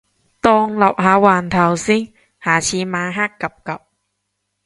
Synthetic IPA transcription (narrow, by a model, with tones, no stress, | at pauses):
t̪ɔ˧ŋlɐ˨˩p̚haː˨˩waː˨˩nt̪ʰɐ˨˩wsi˦˥ŋ | haː˨˩t͡ɕʰiː˧˦maː˧˦ɦa˦˥kːɐ˨˩p̚kɐ˨p̚